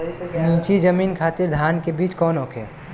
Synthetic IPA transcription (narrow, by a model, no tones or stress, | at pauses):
nĩːt͡ʃid͡ʒəmiːnkʰaːt̪ɪɾd̪ʱaːnkebiːt͡ʃkɔːnɦoːkʰḛː